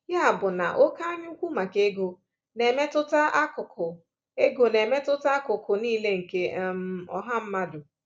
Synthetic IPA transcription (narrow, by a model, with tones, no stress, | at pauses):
ja˦a˨bʊ˨na̰˨ʔo˦ka˦ɲ˦u˦kʷu˦ma˨ke˦ɡo˦ | ne˨me˦tʊ˦ta˦ʔa˦kʊ˨kʊ˨ | e˦ɡo˨ne˨me˦tʊ˦ta˦kʊ˨kʊ˨niː˦le˦ŋ̩˨ke˦m̩˦ɔ̰˦ɦa˦m̩˦ma˦dʊ˨